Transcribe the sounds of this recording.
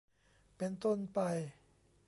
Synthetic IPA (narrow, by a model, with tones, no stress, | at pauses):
pe˧nt̪o˥˩˨npa˧j